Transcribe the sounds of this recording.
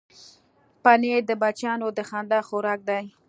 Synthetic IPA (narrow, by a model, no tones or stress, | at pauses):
paned̪əbat͡ʃɑnod̪əxɑnd̪ɑxoɾɑk̚d̪aj